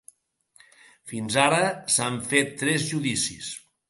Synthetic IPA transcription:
finzaɾəsaɱfet̪ːɾɛzʒuðisis

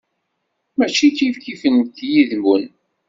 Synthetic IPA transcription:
mæt͡ʃːikifkifənt̪jiðmən

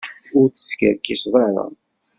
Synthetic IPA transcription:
ʊɾt͡sːə̥skəɾkisðˤɑɾˤɑ̰

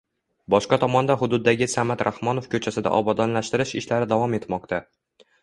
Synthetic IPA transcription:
bɒʃqɑt̪ʰɒmɒnd̪aɦʊd̪ʊd̪ːaɡʲɪsamat̪ɾahmɒnofkʲʰɵt͡ʃʰasɪd̪a̰ʔɒbɒd̪ɒnlaʃt̪ɪɾɪʃɪʃlaɾɪd̪avɒme̞t̪mɒq̚t̪ʰa

